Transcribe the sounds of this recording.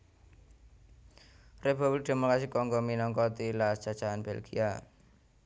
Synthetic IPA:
republɪk̚d̪̥e̤mokɾasikːɔŋɡɔminɔŋkɔt̪ilasd̥ḁt͡ʃaʔanbelɡia

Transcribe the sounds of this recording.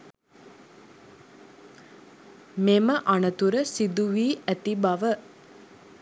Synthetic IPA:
meməʔanət̪uɾəsid̪uʋiːʔæt̪ibaʋə

